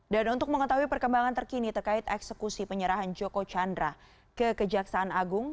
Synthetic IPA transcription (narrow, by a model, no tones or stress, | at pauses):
danunt̪ʊk̚məŋət̪aɦuipərkəmbaŋant̪ərkinit̪ərkaɪt̪ɛksəkusipəɲəɾaɦand͡ʒokot͡ʃandɾa | kəkəd͡ʒaksaːnaɡʊŋ